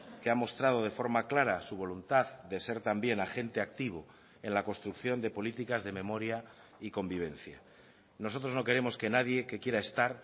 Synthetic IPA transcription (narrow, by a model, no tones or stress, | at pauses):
ke̞amo̞st̪ɾað̞o̞ð̞e̞fo̞ɾmaklaɾasuβ̞o̞lunt̪aðd̪e̞se̞ɾt̪ambje̞naxe̞nt̪e̞ak̚t̪iβ̞o | e̞nlako̞nst̪ɾukθjo̞nd̪e̞po̞lit̪ikazðe̞mẽ̞mo̞ɾja | iko̞mbiβ̞e̞nθja̰ | no̞s̬o̞t̪ɾo̞zno̞ke̞ɾe̞mo̞ske̞naðje̞ke̞kje̞ɾaest̪aɾ